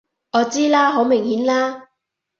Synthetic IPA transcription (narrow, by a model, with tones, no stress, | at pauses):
ʔɔː˨˧t͡siː˥laː˥ɦo˨˥wmɪ˨˩ŋhiː˨˥nlaː˥